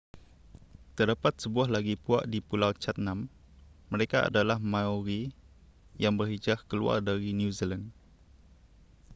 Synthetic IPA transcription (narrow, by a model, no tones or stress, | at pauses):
t̪ərdapat̪̚səbuaɦlaɡipua̰ʔdipulawt͡ʃat̪̚nãmː | əɾekaa̰dalahmãoɾi | jaŋbərhid͡ʒahkəlṵa̰rdaɾinjuzilan